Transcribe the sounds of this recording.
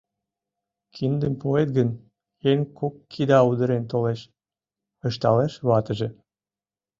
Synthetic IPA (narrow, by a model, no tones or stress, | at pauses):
kʰind̪əmpoet̪̚ɡən | enʲkokːʰid̪ɑud̪əɾent̪oleʃ | əʃt̪ɑleʃβɑt̪əʒe